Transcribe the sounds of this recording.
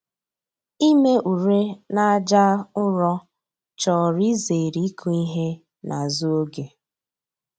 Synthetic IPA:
i˦me˦ʔu˨ɾe˦na˦a˦d͡ʒa˦ʊ˦ɾɔ˦ | t͡ʃɔ˨ɾi˦ze˨ɾi˦kʰu˦i˦ɦe˦ | nʔa˨zu˦o˦ɡe˨

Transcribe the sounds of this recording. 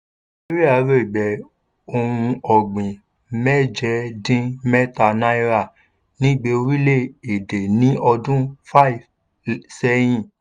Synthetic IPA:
e˦ɾi˦a˨˦ɾe˦˨ɡ͡bɛ˨ | o˧hũ˧ɔ˨ɡ͡bĩ˨ | mɛ˦˨d͡ʒɛ˧˦dĩ˦mɛ˦ta˧˨nã˦i˦ɾa˦˨ | nĩ˦˨ɡ͡be˧o˧ɾi˦le˦˨e˨de˨nĩ˨˦ɔ˧dũ˦fa˦i˨v | sɛ˦j̃ĩ˦˨

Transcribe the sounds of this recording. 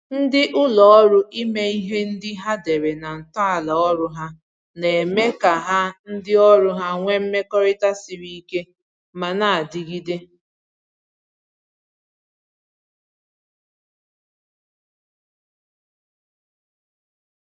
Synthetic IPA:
n̩˦dɪ˦ʔʊ˦lɔ˨ɔ˦ɾʊ˦ʔi˦me˦i˦ɦe˦n̩˦dɪ˦ɦa˦de˨ɾe˨na˨n̩˨tɔ˦a˨la˨ɔ˦ɾʊ˦ɦa˦ | ne˨e˨me˦ka˨ɦa˦n̩˦dɪ˦ɔ˦ɾʊ˦ɦa˦ŋʷe˦m̩˦me˦kɔ˦ɾɪ˦ta˦sɪ˨ɾi˦i˦ke˦ | ma˨na˨a˨dɪ˨ɡi˦de˦

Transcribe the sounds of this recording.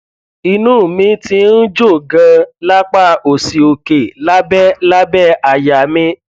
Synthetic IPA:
i˧nũː˦˨mĩ˧˦ti˧n̩˦d͡ʒo˦˨ɡã˧la˦k͡pa˦˨o˨si˨o˨ke˨la˦bɛ˦la˦bɛ˦a˧˨ja˨mĩ˧˦

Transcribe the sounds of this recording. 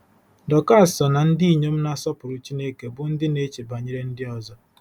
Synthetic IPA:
dɔ˨ka˦˨sɔ˨na˨n̩˦di˦i˨ɲe˦m̩˦na˦sɔ˦pʊ˨ɾʊ˨t͡ʃi˦ne˦ke˨bʊ˨n̩˦dɪ˦ne˦t͡ʃe˨ba˨ɲe˦ɾe˦n̩˦dɪ˦ɔ˨zɔ˦

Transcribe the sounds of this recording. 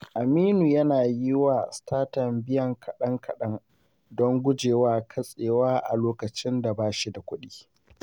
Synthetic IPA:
ʔa˨miː˦nuː˨jɐ˦naː˨ji˦waː˨staː˦tɐ˨mbɪ˦jɐ˨ŋkʰɐ˨ɗɐ˦ŋkʰɐ˨ɗɐ˦ŋ | dɔ˦ŋɡʷʊ˦d͡ʒeː˨waː˦kʰɐ˦sʼeː˨waː˦ʔa̰˨loː˦kɐ˨t͡ʃɪ˦nda˨baː˦ʃi˦da˨kʷʊ˦ɗiː˦

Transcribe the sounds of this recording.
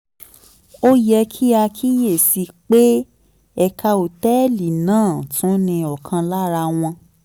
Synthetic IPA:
o˦jɛ˧kʰi˦a˧kʰi˦je˦˨si˧k͡pe˦ | ɛ˧kʰa˧o˨tɛ˦li˨nãː˦˨tũ˨˦nĩ˧ɔ˨kʰã˧la˦˨ɾa˧w̃ɔ̃˧

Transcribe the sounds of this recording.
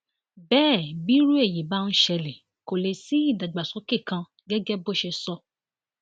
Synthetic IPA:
bɛː˦˨bi˨˦ɾu˦e˦˨ji˨ba˦˧n̩˦ʃɛ˧le˨ | ko˨le˨si˨˦i˦˨da˨ɡ͡ba˨sɔ˨˦ke˦˨kã˧ | ɡɛ˦ɡɛ˦bo˦˨ʃɛ˧sɔ˧

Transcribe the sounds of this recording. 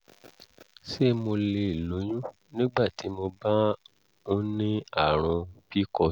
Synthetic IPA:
se˦mo˧le˧i˨lo˨˦j̃ũ˦ | nĩ˦ɡ͡ba˦˨ti˨˦mo˧ba˦ | o˦nĩ˦a˦˨ɾ̃ɔ̃˧pi˦kɔ˧

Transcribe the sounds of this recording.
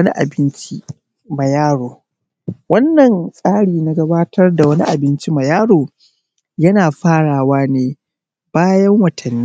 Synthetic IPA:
ni˦ʔa̰˨bɪ˦nt͡ʃi˦ | mɐ˨jaː˦ɽoː˨ | wɐ˦nːɐ˨nsʼaː˦ɽiː˨na˦ɡɐ˦baː˦tʰɐ˦rda˨wɐ˦ni˦ʔa˨bɪ˦nt͡ʃi˦mɐ˨jaː˦ɽoː˨ | jɐ˦naː˨ɸaː˦ɽaː˨waː˦neː˦ | b̥aː˦jɐ˦ŋwɐ˨tʰɐ˨nːi˦

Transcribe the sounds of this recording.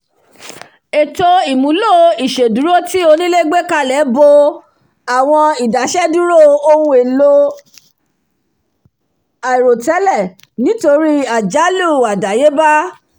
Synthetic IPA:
e˨to˧i˨mũ˨˦lo˦i˨ʃe˨du˨˦ɾo˦ti˦o˧nĩ˦le˦ɡ͡be˦˨ka˦˨lɛ˨˦bo˧ | a˨w̃ɔ̃˧i˨da˨ʃɛ˦dũ˦ɾo˦˨o˧ũ˧e˨lo˦ | a˨i˨ɾo˨tɛ˨˦lɛ˦˨ | nĩ˨˦to˧ɾi˦a˨d͡ʒa˨˦lu˦˨a˨da˨je˨˦ba˦

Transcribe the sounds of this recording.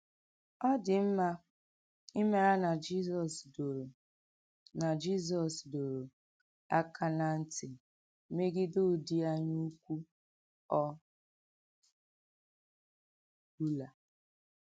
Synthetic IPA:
ɔ˦dɪ˨m̩˦ma˦ | ɪ˦me˦a˦na˨d͡ʒi˦zɔ˨sdo˨ɾ | na˨d͡ʒi˦z̬ɔ˨sdo˨ɾo˨ | a˦kʰa˦na˦n̩˦tɪ˨˦ | me˦ɡɪ˦do˦˨di˦a˦ɲu˦kʷu˦ | ɔ˦ | du˦la˨

